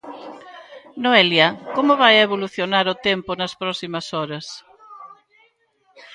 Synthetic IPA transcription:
noeljɐkomʊβajeβoluθjonaɾʊt̪empʊnɐspɾɔsimɐsɔɾɐs

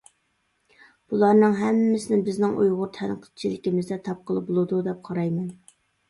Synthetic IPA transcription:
b̥ulˠɑɾnɨŋɦɛmːɪsɪnɪbɪznɪŋʔṵjʁʊɾt̪ʰɛnqʰə̥t͡ʃʰilɪkʲimɪzd̪ɛt̪ʰɑp̚qʰəlˠɨp̚bolˠɨd̪ud̪ɛp̚qʰɑɾɑjmɛn

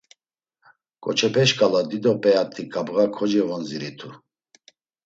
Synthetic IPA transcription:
kʼɔt͡ʃʰɛpʰɛʃkʼalad̪id̪ɔpʼɛat̪ʰikʼabɣakʰɔd͡ʒɛvɔnziɾit̪ʰu

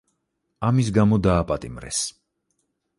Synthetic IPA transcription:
amis̬ɡamɔd̪aːpʼat̪ʼimɾɛ̰s

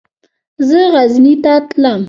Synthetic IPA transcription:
zəɣaznit̪at̪ləm

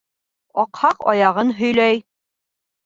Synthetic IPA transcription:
ɒqhɑqɒjɑʁɤnɦɵ̆jlæj

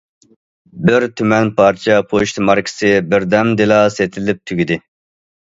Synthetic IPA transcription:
bɪɾt̪ʰymɛnpʰɑɾt͡ʃʰɛpʰoʃt̪mɑɾkʲʰɪ̥sɨbɪɾd̪ɛmd̪elˠɑːset̪ʰɪlɪp̚t̪ʰyɡʲid̪ɪ

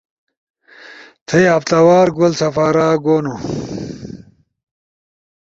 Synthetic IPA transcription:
t̪ʰɐjɐft̪ɐwaːɾɡolsɐfaːɾaːɡoːnu

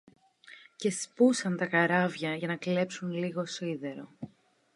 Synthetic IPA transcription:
ce̞spusɐnt̪ɐkɐɾɐvʝɐʝɐnɐkle̞psunliɣo̞siðe̞ɾo̞

